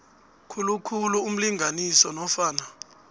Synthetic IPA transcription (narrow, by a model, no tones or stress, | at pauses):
kʰulukʰuluum̩liŋʱanisɔnɔfaːna